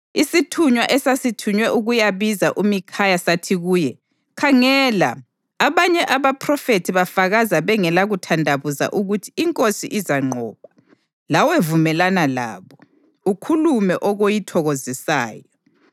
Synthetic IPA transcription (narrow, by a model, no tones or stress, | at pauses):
isitʰuɲwaʔɛsasitʰuɲwɛʔuɣujaβizaʔumikʰajasatʰiɣuːjɛ | kʰaŋɛla̰ | aβaɲɛʔaβapʰrɔfetʰiβafaɣazaβɛŋɛlaɣutʰandʱaβuza̰ʔuɣutʰi̥iŋkʼosḭʔizaŋ͡ǃʱɔːβa | lawevumɛlanala̰ːβɔ | ukʰulumɛʔɔɣojitʰɔɣozisa̰ːjɔ